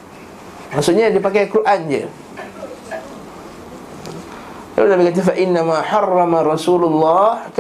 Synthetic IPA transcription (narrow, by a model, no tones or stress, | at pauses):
maʔsuʔɲadipakajkɾuʔand͡ʒə̰ | la̰lunabikat̪̬afaʔɪnːamaħɑrːɑmaɾɑsulʊlːɑhk